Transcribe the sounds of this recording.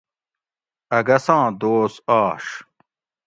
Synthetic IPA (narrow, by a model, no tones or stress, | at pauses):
ɐɡɐsãːd̪oːsaːʂ